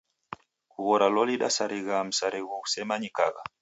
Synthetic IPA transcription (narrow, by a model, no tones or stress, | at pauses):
kuβɔɾalɔliɗa̰saɾiɣam̩saɾiɣuusɛmaɲika̰ɣa̰